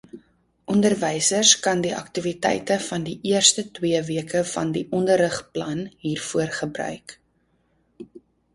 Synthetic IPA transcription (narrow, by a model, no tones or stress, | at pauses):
ʔɔndərvɛjsərskɐndiʔɐ̰ktivitɛ̰jtəfɐndiʔiərstətwiəviəkəfɐ̰ndiʔɔndəɾəχplɐnɦiːrfuərχəbrœ̰ɥk